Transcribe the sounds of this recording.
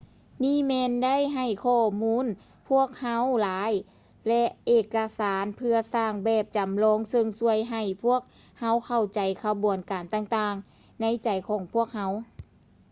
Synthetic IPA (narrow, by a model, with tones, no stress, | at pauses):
niː˥˨mɛː˧nda˥˨jɦa˨˩jkʰɔː˧˩muː˧˥˨n | pʰu˥˩ək̚ha˧˥wlaː˨˦j | lɛ˧ʔʔeː˧˩kːa˧saː˨˦npʰɯ˧ɐsaː˧˩ŋbɛː˧˩p̚t͡ɕa˨˩˦mlɔː˧˥˨ŋsɤ˧ŋsu˧əjɦa˧˩jpʰu˥˩ək̚ | ha˧˥wkʰa˧˩wt͡ɕa˨˩jkʰa˧bu˨ənkaː˨˩nt̪aː˧˩ŋt̪aː˧ŋ | na˧˥˨jt͡ɕa˨˩jkʰɔː˨˦ŋpʰu˥˩ək̚ha˧˥w